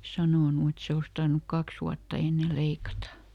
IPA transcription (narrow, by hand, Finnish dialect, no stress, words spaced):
sɑnoˑnu et se os tɑrnuk kɑks uɑtːɑ enːe leikɑtɑ